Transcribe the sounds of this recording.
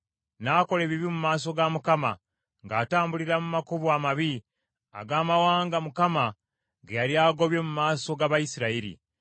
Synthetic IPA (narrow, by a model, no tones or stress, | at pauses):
naːko̞le̞ːβiβimumaːs̬o̞ɡamukama̰ | ŋɡaːtaːmbuliɾamumakuβwamaβi | a̰ɡaːmawaːŋɡamukama | ɡejaɾjaːɡo̞βje̞mumaːso̞ɡaβajisiɾaiɾḭ